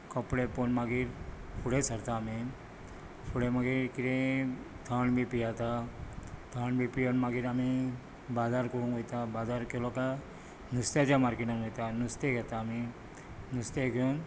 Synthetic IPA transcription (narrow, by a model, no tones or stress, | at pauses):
kəpɽeponmaɡiɾpʰuɽesəɾt̪aːmi | pʰuɽemaɡiɾkiɾẽ | t̪ʰaɳbʱipijat̪a | t̪ʰaɳbʱipijonmaɡiːɾami | bad͡zaɾkoɽũŋkojt̪abad̪aɾkeloka | nust̪jad͡ʑamaɾkeʈə̃ŋojt̪anust̪eɡʱɛt̪aːmi | nust̪eɡʱon